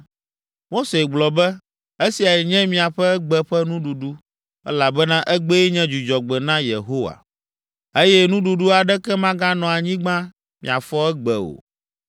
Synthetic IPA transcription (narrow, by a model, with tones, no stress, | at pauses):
mo˦se˨ɡ͡blɔ˨bɛ˦ | e˦si˨a˨jɛ˨ɲɛ̃˦mĩ˨a˨ɸɛ˦ɛ˦ɡ͡bɛ˦ɸɛ˦nũ˦ɖu˨ɖu˦ | ɛ̰˦la˨bɛ˦nã˦ʔɛ˦ɡ͡be˦ɛ˦ɲɛ̃˦d͡ʒu˨d͡ʒɔ˨ɡ͡bɛ˨nã˦jḛ˨ɦo˦wa̰˨ | e˦jɛ˦nũ˦ɖu˨ɖu˦a˨ɖɛ˦kɛ˦mã˦ɡã˦nɔ̃˨a˨ɲĩ˦ɡ͡bã˦ | mḭ̃˨a˨fɔ˦ɛ˦ɡ͡bɛ˨o̰˨